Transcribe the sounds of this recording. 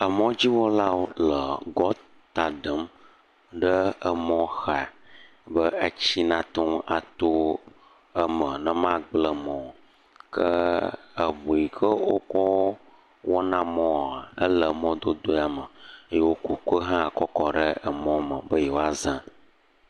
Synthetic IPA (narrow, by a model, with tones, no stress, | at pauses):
ə˨mɔ̃˦d͡ʑi˦wo˦la˦wo˦lə˨ɡɔ˦ | t̪a˨ɖə˨˦m | ɖə˦ə˨mɔ̃˦xa˨ | bə˦ə˦t͡ɕi˦nã˦t̪o˦ma˨t̪o˦ | ə˦mə˨nə˦mã˦ɡ͡blə˨mɔ̃˨ | kə˦ə˨vo˨i˨kə˦wo˦kɔ˦ | wo˦nã˦mɔ̃˦˨a˨ə̰˦lə˨mɔ̃˦d̪o˦d̪o˦a˨mə˨ə˦je˦wo˦ko˨kə˦ɦã˦˨kɔ˦kɔ˨ɖə˦ə˨mɔ̃˦mə˨bə˦jɛ˨wo˦a˦zã˦